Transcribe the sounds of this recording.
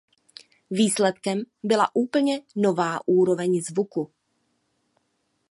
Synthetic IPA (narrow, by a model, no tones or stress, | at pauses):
viːslɛt̪kɛmbɪla̰ʔuːpl̩ɲɛnovaːʔuːɾo̞vɛɲzvuku